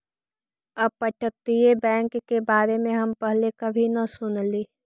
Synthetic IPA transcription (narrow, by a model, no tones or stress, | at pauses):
ɐb̚pəʈət̪ijebɛ̃ːŋkːebaːɾemẽɦɐmpɐɦlekɐbʱinɐsʊnliː